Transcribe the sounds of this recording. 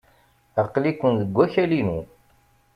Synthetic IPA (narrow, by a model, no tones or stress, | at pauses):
əqːlikʷːənðəɡʷːæçælinu